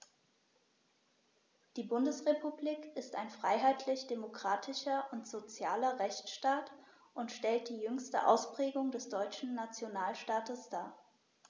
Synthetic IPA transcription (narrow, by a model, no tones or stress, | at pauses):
d̥iːbʊndəsʁepubliːkɪstaɪnfʁ̥aɪɦaɪtʰlɪçd̥emokʁ̥aːtʰɪʃɐʔʊntz̥ot͡sjaːlɐʁɛçt͡sʃtaːt | ʔʊntʃtɛlt̚d̥iːjʏŋstə̰ʔa̰ʊspʁ̥ɛːɡʊŋdɛsd̥ɔʏt͡ʃn̩nat͡sjonaːlʃtaːtəsd̥aː